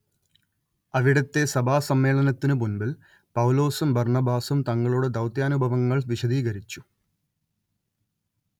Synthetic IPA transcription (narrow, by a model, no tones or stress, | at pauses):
ɐʋiɽɐt̪ːe̞sɐbʱaːsɐmːe̞ːɭɐnɐt̪ːinɨmunbil | pɐwlo̞ːsumbɐrɳɐbaːsumt̪ɐŋːɐɭuɽed̪ɐwt̪jaːnubʱɐʋɐŋːɐɭʋiɕɐd̪iːɣɐɾit͡ɕːu̥